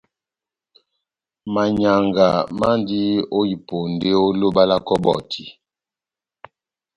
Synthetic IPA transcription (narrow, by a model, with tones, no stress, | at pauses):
ma˨ɲa˨ŋɡa˨ma˦ndi˦o˦i˨po˨n˨de˦o˦lo˦ba˦la˦kɔ˦bɔ̰˨tʰi˨